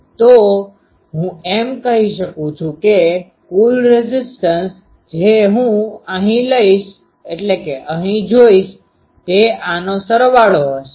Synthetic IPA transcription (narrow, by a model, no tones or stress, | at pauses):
t̪o | ɦũemkəɦiʃəkũt͡ʃʰũke | kulɾezɪsʈəns | d͡ʒeɦũəɦĩləiʃ | eʈlekeʔəɦĩd͡ʒoiʃ | t̪eanosəɾʋaɭoɦoʃe